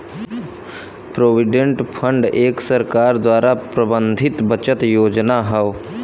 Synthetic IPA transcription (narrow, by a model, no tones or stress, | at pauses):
pɾoːʋɪɖẽɳʈpʰəɳɖeːksəɾkaːɾd̪waːɾapɾəbə̃nd̪ʱɪt̪bət͡ʃət̪joːd͡ʒnaɦɛo